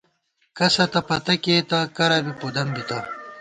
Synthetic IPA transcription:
kɐsɐt̪ɐpɐt̪ɐkeːt̪ɐkɐɾɐbipud̪ɐmbit̪ɐ

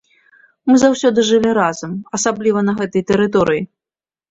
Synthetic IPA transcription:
mɨzawsʲɔd̪ɨʐɨlʲiɾazɐmɐsablʲivɐnɐɣɛt̪ɐjt̪ɛɾɨt̪̬ɔɾɨji

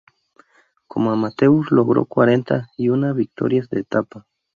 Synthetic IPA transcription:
komoamat̪e̞usloɣɾo̰kwaɾent̪a̰iunaβik̚t̪o̰ɾjasd̪eːt̪apa

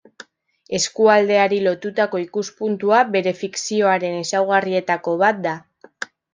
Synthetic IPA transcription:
e̞skuald̪e̞aɾilo̞t̪ut̪ako̞ikuspunt̪uaβe̞ɾe̞fiksio̞aɾe̞ne̞sawɣ̞arie̞t̪ako̞βat̪̚d̪a

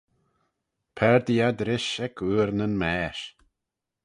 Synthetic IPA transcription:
pʰɛɹd̪iad̪ɾɪʃɛkʰuːɾnənmɛːʃ

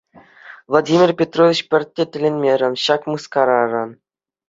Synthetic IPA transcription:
vlˠadʲimʲirʲpʲet̪rovʲit͡ɕpʲɘ̆rʲtʲːetʲɘ̆lʲenʲmʲeɾʲɘ̆nɕɑkmɯskɑɾɑrɤn

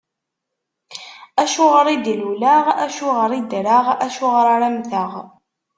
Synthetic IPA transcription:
æʃʊʁəɾˤid̪lulaʁæʃʊʁəɾˤid̪ɾaʁæʃʊʁəɾaɾæmθəʁ

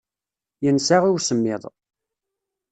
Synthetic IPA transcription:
jənsaʁiwsəmːɪðˤ

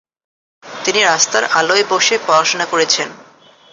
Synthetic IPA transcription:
t̪iniɾast̪aɾʔaloeboʃepɔɾaʃonakoɾet͡ɕʰen

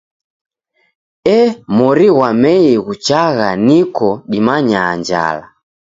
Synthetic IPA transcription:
ɛmɔɾiɣwamɛiɣut͡ʃaɣanikɔɗimaɲaːɲd͡ʒa̰la̰

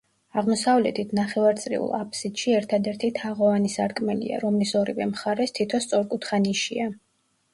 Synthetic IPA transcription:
aʁmɔsavlɛt̪ʰit̪ʰnaχɛvaɾt̪sʼɾḭṵlˠa̰pʰsid̪̥ʃiɛɾt̪ʰad̪ɛɾt̪ʰit̪ʰaʁɔvanisaɾkʼmɛlḭa̰ɾɔmlisɔɾivɛmχaɾɛst̪ʰit̪ʰɔst̪sʼɔɾkʼut̪χaniʃia

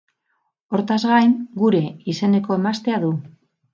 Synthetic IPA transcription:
o̞ɾt̪azɣajnɡuɾe̞ise̞ne̞ko̞emast̪eaðu

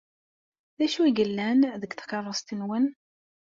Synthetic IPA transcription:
ðæʃuiɡəlːænðəkθqɑrˤːəst̪ənwən

